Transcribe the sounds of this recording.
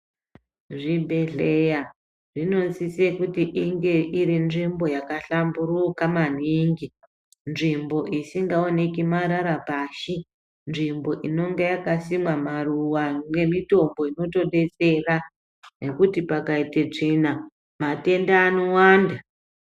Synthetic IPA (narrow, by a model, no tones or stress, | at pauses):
ʐibʱe̞ɮe̞ja | ʐino̞nzise̞kutiʔiŋɡe̞ʔiɾinʐimbo̞jakaɬamburukaman̤iːŋɡi | nʐimbo̞ʔisiŋɡao̞ne̞kimaɾaɾapaːʃi | nʐimbo̞ʔino̞ŋɡe̞jakasimwamaruwamwe̞mito̞mbo̞ino̞to̞ɗe̞t͡se̞ra | ne̞kutipakaitet͡ʂina | mate̞ndaːno̞waːnda